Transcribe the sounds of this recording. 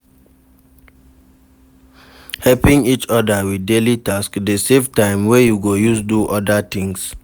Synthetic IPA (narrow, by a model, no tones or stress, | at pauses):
hɛlpĩŋit͡ʃɔdəwidelitaskdesevtãɪ̃mwɛjuɡojusduʔɔdat̪ĩŋs